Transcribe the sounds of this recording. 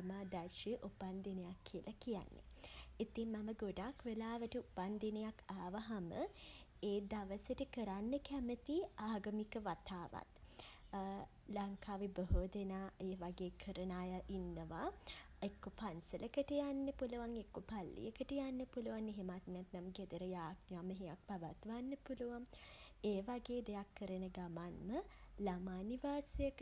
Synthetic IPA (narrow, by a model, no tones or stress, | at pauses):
maːd̪ærʃiʔupand̪inejakʰːiəlʔakija̰nːḛ | it̪iŋmɐməɡoɖakʋelaːʋəʈəupand̪inejakaːʋaɦamə̰ | eːd̪aʋəsəʈəkəɾanːəkæmət̪iaːɡəmikəʋat̪aːʋa̰t̪ | laŋkaːʋibəɦoːd̪enaːeːʋaɡeːkʰəɾənaːjaʔinːəʋaː | ekːopansələkəʈəjanːəpuluʋaŋekːopalːḭjəkəʈəjanːəpuluʋaŋeɦemat̪nɛt̪namɡed̪əɾəjaːɡnaməɦejak̚paʋat̪ʋanːəpuluʋaŋeːʋaɡeːd̪ejakːəɾənəɡamanməlamaːniʋaːsəjəkə